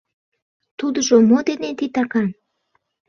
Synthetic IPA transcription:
t̪ud̪əʒomod̪enet̪it̪ɑkɑn

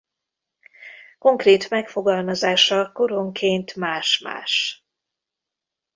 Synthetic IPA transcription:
ko̞ŋkreːt̪mɛkfo̞ɡɒlmɒzaːʃɒko̞ɾo̞ŋkʰeːnt̪maːʃma̰ːʃ

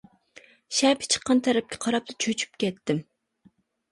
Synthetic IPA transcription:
ʃɛpɪ̥t͡ʃʰə̥qːɑnt̪ʰæɾɛp̚kʲʰɛ̥qʰɑɾɑp̚t̪ɑt͡ʃʰøt͡ʃʰy̥p̚kʲɛt̪ːɪm

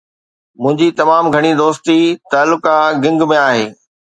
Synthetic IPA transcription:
mʊ̃ɦɪ̃ɲd͡ʑit̪ɐmaːmɡʱɐɽ̃id̪oːst̪it̪aːlːʊkaɡɪ̃ŋɡmẽaːɦeː

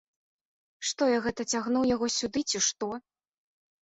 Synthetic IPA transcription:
ʂt̪ɔjaɣɛt̪ɐt͡sʲaɣnuwjaɣɔsʲud̪ɨt͡sʲiʂt̪ɔ

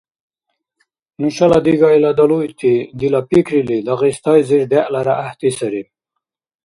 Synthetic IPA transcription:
nuɕalad̪iɡɑjlad̪alujt̪ʰid̪ilapikɾilid̪aʁist̪ɑjziɾɖ̪eʔlaɾaʔːht̪isaɾi

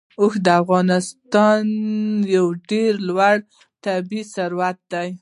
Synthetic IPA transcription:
oxd̪əafɣɑnɪst̪ɑnjawɖeɾlwaɽ | t̪abisaɾwat̪̚d̪aj

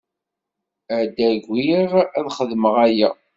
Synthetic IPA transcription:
æd̪æɡʷiʁæðχəðməʁæjæ

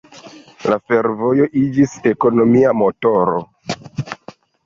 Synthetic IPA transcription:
lafe̞ɾvojo̞ʔid͡ʒise̞ko̞no̞miamo̞to̞ɾo̞̰

